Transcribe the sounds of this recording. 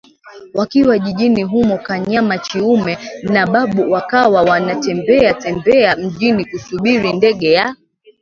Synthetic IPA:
wakiwaʄiʄiniɦumɔkaɲamat͡ʃiumɛnaɓaɓuwakawawanatɛmbɛatɛmbɛam̩ʄinikusuɓiɾindɛɠɛja

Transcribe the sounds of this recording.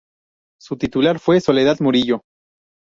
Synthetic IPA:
sut̪it̪ulaɾfwe̞so̞le̞ð̞aðmoɾiʝo̞

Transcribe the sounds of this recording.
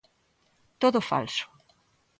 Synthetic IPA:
t̪oðʊfa̰lsʊ̥

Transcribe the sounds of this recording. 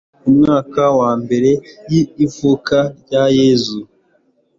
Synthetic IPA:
umŋaːkawaːmbe̞ɾe̞jiːvukaɾɟajeːzu

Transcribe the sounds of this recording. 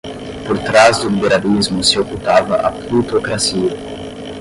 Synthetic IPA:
poɾt̪ɾazd̪ʊlibeɾalizmʊsɪokut̪avɐʔaplut̪okɾasiɐ

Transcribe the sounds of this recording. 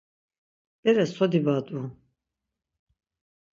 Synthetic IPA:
d̪ɛɾɛsɔd̪ibad̪u

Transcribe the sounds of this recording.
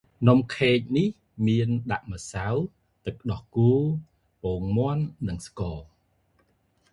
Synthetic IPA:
nomkʰeːc̚nih | miənɗaʔməsaw | t̪ɨk̚ːɗɑhkuː | poːŋmŏənːɨŋskɔː

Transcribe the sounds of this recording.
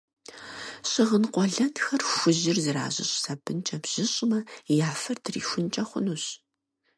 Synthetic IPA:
ɕʼɪʁənqʷɔɮɐntxɐrxʷʊʑɪrzɨɾa̰ːʑɪ̰ɕʼsɐbɨnt͡ʃʼɐbʑ̥ɪɕʼmɐjaːfɐrtʰrḭːxʷʊnt͡ʃʼɐχʷʊ̰nuɕ

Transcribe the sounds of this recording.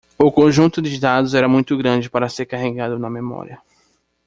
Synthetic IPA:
ʊkõʒũt̪ʊd̪ɪd̪ad̪ʊzɛɾɐmũj̃t̪ʊɡɾɐ̃d͡ʒɪpaɾɐseɾkaɦeɡad̪ʊnɐmemɔ̰ɾiɐ

